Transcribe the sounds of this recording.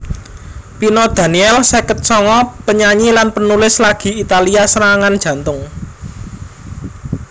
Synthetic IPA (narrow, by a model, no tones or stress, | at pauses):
pinɔd̪̥a̤niɛlsɛkət̪̚sɔŋɔpəɲaɲilanpənulɪslaɡ̥i̤it̪aliasəɾaŋand̥ʒ̥ä̤nt̪ʊŋ